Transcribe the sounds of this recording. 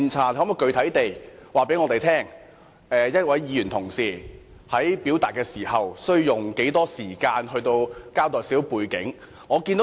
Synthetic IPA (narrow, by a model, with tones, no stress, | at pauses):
nt͡sʰaː˧˩thɐː˨˥mɔ˨jkɵ˧ɥt̪ʰɐ˨˥jt̪e˨jwaː˨pe˨˥jŋɔː˨˧t̪e˨jt̪ʰɛː˥ŋ | ɛː˨jɐ˥t̚wɐ˨˥jjiː˨˧ɥyː˨˩nt̪ʰʊ˨˩ŋsiː˨ | hɐ˨˥jpiː˨˥wt̪aː˨˩t̚kɛː˧siː˨˩hɐ˨wsɵ˥ɥjʊ˨˩ŋke˨˥jt̪ɔː˥siː˨˩kaː˧nhɵ˧ɥt̪o˧wkaː˥wt̪ɔː˨jsiː˨˥wpuː˨˧jkɪ˨˥ŋ | ŋɔː˨˧ki˧nt̪o˧